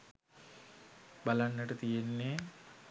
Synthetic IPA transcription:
balanːəʈət̪ijenːe

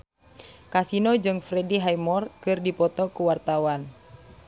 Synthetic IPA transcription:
kasinod͡ʒɨŋfɾɛdiɦajmɔrkɨrdipɔt̪ɔkuwart̪awan

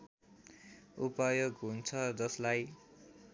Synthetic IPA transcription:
upʌjoɡɦunt͡sʰʌd͡zʌslaj

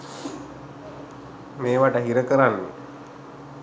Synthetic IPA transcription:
meːʋaʈəɦiɾəkəɾanːḛ

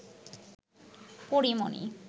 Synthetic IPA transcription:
poɾimo̰nḭ

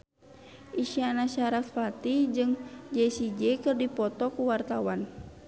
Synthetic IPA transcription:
ʔiʃianaʃaɾat̪̚fat̪id͡ʒɨŋd͡ʒɛsid͡ʒɛkɨrdipɔt̪ɔkuwart̪awan

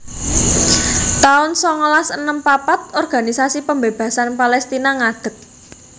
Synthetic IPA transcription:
t̪aʊnsɔŋɔlasənəmpapat̪̚ɔrɡ̥a̤nisasipəmbeb̥ä̤sanpalɛst̪inaŋad̪̥ə̤k̚

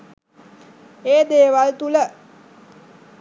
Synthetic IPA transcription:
eːd̪eːʋalt̪ulə

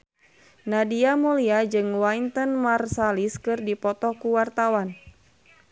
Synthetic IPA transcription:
nadiamuliad͡ʒɨŋwaint̪ənmarsaliskɨrdipɔt̪ɔkuwart̪awan

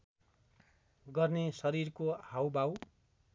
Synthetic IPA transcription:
ɡʌrnesʌɾirkohawbaw

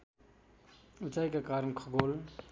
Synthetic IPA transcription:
ʊt͡ʃajkakaːɾənkʰəɡoːl

